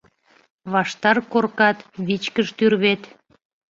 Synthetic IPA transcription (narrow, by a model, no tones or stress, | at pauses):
βɑʃt̪ɑrkorkɑt̪βit͡ɕkəʃt̪yrβet̪